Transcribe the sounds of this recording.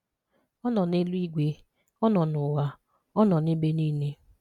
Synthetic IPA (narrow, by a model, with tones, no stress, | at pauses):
ɔ˦nɔ˨ne˦lu˦i˦ɡʷe˦ | ɔ˦nɔ˨nʊ˨wa˨ | ɔ˦nɔ˨ne˦be˦niː˦ne˦